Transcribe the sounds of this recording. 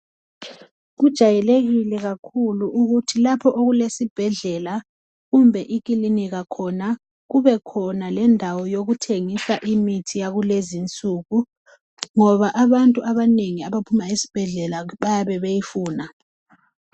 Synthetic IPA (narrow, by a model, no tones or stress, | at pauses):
ɣud̥ʒ̥ʱajɛleɣilɛɣakʰuluʔuɣutʰilapʰɔʔoɣulesib̥ʱɛɮɛla | ɣumbʱɛʔikʼiliniɣakʰɔna | ɣuβɛkʰɔnalɛndʱawɔjoɣutʰeŋisaʔimitʰijaɣulezint͡sʼuɣu | ŋɔβaʔaβantʼuʔaβaneŋiaβapʰumaisi̥b̥ʱɛɮɛlaβajaβɛβejifuːna